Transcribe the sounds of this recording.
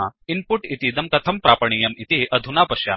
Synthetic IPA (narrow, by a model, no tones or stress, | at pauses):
inpuʈit̪id̪ɐmkɐt̪ʰəmpɾapəɳ̃iːjɐmit̪iʔəd̪ʱunapɐɕja̰